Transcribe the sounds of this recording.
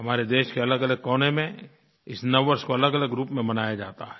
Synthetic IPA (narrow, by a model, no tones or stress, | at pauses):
ɦɐmaːɾed̪eːʃkeɐləɡɐləɡ̚kɔːnemẽ | ɪsnɐʋːəɾskoɐləɡɐləɡɾuːpmẽmɐnaːjad͡ʒaːt̪aɦɛː